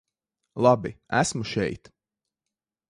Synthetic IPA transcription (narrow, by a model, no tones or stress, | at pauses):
lˠɑbiæsmuʃɛjt̪